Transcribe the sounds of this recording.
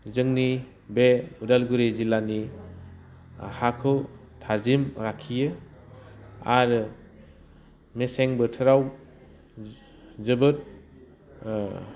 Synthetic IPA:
zɯŋni | beudalɡuɾezilani | hakʰɯw | tʰazimɾakʰijɯ | aɾɯ | meseŋbɯtʰɯɾaw | zɯbɯt̚

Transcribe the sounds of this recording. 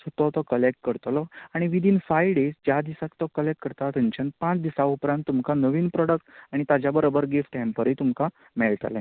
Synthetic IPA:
sət̪ɔt̪ɔkəlek̚ʈkəɾt̪lɔaɽ̃iʋid̪ʱiːnfajʋɖesd͡ʑjad̪isakt̪ɔkəlek̚ʈ̚kəɾt̪at̪ənt͡ɕən̚pãt͡sd̪isaupɾãnt̪ːumkanəʋiːnpɾɔɽək̚ʈaɽ̃it̪ad͡ʑjabəɾobəɾɡefʈɛ̃mpəɾet̪umka | mɛɭt̪a̰lã

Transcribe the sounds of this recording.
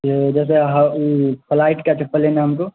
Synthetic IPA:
d͡ʒɛːs̬eɦpʰlaːɪʈkat͡ʃʰəpəlenaɦɐmko

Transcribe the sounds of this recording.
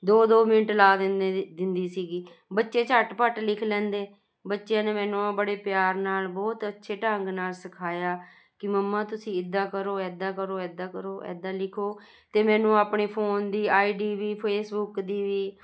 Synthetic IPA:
d̪oːd̪oːmɪnəʈlaːd̪ɪd̪ɪnd̪iːsiːɡiː | bətːʃeːt͡ʃəʈpəʈlɪkʰlɛ̃ːnd̪eː | bətːʃjãːneːmɛ̃ːnũːãbəɽeːpjaːɾnaːlbɔːt̪ətːʃʰeːʈəŋɡnaːlsəkʰaːjaː | kɪməmːãːt̪ʊsĩːɪd̪ːaːkəɾoːɛːd̪aːkəɾoːɛːd̪aːkəɾoːʔɛ̰ːd̪aːlɪkʰoː | t̪eːmɛ̃ːnũːaːpɳeːpʰoːnd̪iːaːiːɖiːʋiːpʰeːsbʊkd̪iːʋiː

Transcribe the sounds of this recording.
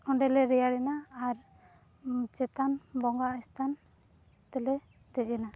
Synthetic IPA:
ɔɳɖɛlɛɾɛjaɽɛnaːɾ | t͡ʃɛt̪anbɔŋɡaʔist̪ʰan | t̪ɛlɛ | t̪ɛɛna

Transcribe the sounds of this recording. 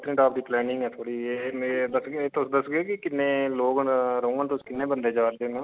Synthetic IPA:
t̪ʰːɾɪʈaːp̚d̪iːplɛːnɪ̃ŋɡɛːt̪ʰoːɽiːeːed̪əseːt̪ʊsd̪əsɡeːkɪkɪnːẽːloːɡɾəũːənt̪ʊskɪnːẽːbənd̪eːd͡ʒaːɾd̪eːnũː

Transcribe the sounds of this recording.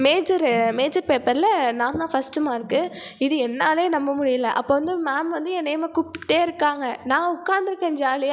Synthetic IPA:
meːd͡ʒɐɾmeːd͡ʒɐɾpeːpɐɾɪlɐnãːnd̪ãːfɐsʈɯmaːɪɾɯkːɯ | ɪðɯɛnːaːleːnɐmːɐmʊɽɪjɐlɐʔɐ̰pːoːʋɐnd̪ɯmaːmʋɐnd̪ɯɛnɛjɐmɐkʊpːɪ̥ʈːeːɪɾɯkːaːŋɡɐnãːʊkːaːɾnd̪ɪɾɯkːẽːɲd͡ʒaːlɪja

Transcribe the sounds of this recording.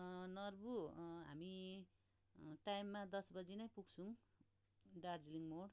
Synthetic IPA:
nʌrbuɦa̰mi | ʈajmːad̪ʌsbʌd͡zinʌjpuɡt͡sʰũŋ | ɖard͡zliŋmoɽ

